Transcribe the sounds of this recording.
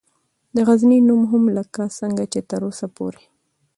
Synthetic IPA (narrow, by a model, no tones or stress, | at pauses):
d̪əɣazninumɦʊmləkasəŋɡat͡ʃet̪əɾosapo̰ɾe